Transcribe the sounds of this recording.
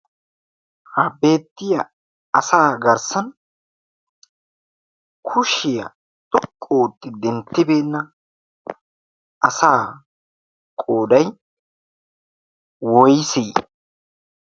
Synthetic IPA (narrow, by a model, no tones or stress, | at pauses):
hɐbe̞ːt̪ːɪjɐ | ɐsaːɡɐɾsɐn | kʰʊʃɪjɐ̰ | t̪ʼɔkʼːoːt̪ːɪd̪ɛnt̪ːɪbeːnːɐ | ʔɐsaː | kʼoːd̪ɐj | wɔjsiː